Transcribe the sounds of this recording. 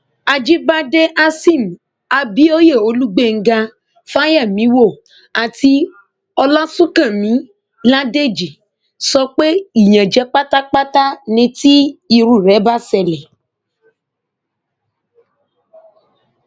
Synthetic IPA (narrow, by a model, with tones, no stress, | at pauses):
a˧d͡ʒi˦ba˦de˦ʔa˦sĩ˦˨m˨ | a˧bi˦o˦je˦˨o˧˦lu˦ɡ͡be˦˨ŋ̩˦ɡa˧ | fa˦ja˦˨mĩ˨˦wo˦˨ | a˨ti˧ | ɔ˧la˦sũ˦kã˦˨mĩ˨˦ | la˦de˦d͡ʒi˨ | sɔ˧k͡pe˦i˦˨j̃ã˨d͡ʒɛ˨˦k͡pa˦ta˦k͡pa˦ta˦nĩ˧˦ti˦i˧ɾu˦˨ɾɛ˨˦ba˦sɛ˨lɛ˨